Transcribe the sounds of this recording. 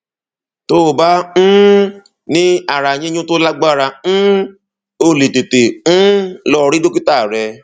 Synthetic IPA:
to˦˨ba˦n̩˦ | nĩ˦a˨ɾa˨jĩ˦ɲũ˦to˦la˦ɡ͡ba˦˨ɾa˧n̩˦ | o˧˨le˨te˨te˨n̩˦lɔ˧ɾi˦do˦ki˦ta˦˨ɾɛ˧

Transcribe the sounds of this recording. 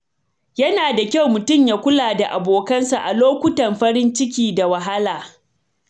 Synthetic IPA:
jɐ˦naː˨da˨kʲa˦˨wmʊ˨tʊ˦˨mjaː˦kʷʊ˦laː˨da˨ʔa˨boː˨kɐ˦nsa˨ʔa˨loː˦kʷʊ˦tɐ˨mɸɐ˦ɾɪ˦nt͡ʃɪ˦kʲiː˨da˨wɐ˨ɦa˦laː˨

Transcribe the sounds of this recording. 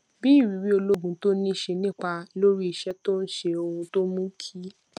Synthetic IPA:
bi˦i˦˨wi˨˦wi˦o˧lo˦ɡũ˨to˦nĩ˦˨ʃe˧nĩ˦˨k͡pa˧lo˦ɾi˦i˨ʃɛ˦to˦n̩˦ʃe˧o˧ũ˧to˦mũ˦kʰi˦

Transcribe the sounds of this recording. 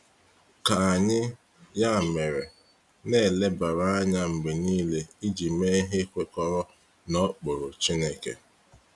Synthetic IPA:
ka˨a˨ɲɪ˦ | ja˦˨me˨ɾe˨ | ne˦˨le˦ba˨ɾa˦a˦ɲa˦ŋ͡m̩˨ɡ͡be˨niː˦le˦i˦d͡ʒi˨me˦ɦe˦kʷe˨kɔ˦ɾɔ˦ | nɔ˦k͡pʊ˨ɾʊ˨t͡ʃi˦ne˦kḛ˨

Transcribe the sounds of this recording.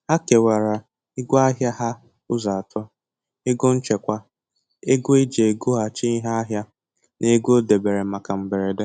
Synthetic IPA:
ha˦ke˨wa˨ɾa˨ | ɪ˦ɡʷʊ˦a˦ɦja˦ɦa˦ | ʊ˦za˨a˨tʰɔ˦ | e˦ɡo˦n̩˦t͡ʃe˨kʷa˦ | e˦ɡʷʊ˦e˦d͡ʒe˨e˨ɡo˦ɦa˨t͡ʃi˦ɦa˦a˦ɦja˦ | ne˦ɡʷo˦de˨be˨ɾe˨ma˨ka˨m̩˨be˨ɾe˨de˦

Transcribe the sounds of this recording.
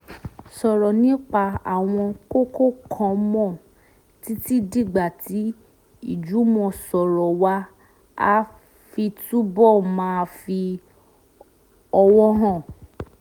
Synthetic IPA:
sɔ˨ɾɔ˨nĩ˨˦k͡pa˧a̰˨w̃ɔ̃˧ko˦ko˦˨kʰã˧mɔ̃˦˨ | ti˨˦ti˦di˦˨ɡ͡ba˨ti˨˦ | i˦˨d͡ʒu˨˦mɔ̃˧sɔ˨ɾɔ˨wa˧˦ | a˦ | fi˧tu˦bɔ˦˨mãː˦˧fi˧ | ɔ˧wɔ˦ɦã˦˨

